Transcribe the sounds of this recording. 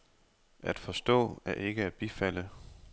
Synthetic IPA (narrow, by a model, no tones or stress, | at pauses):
ʔæd̥fɒ̽sd̥ɔ̰̽ːæɐʔe̝ɡ̥əæd̥̚b̥ifæl̰ə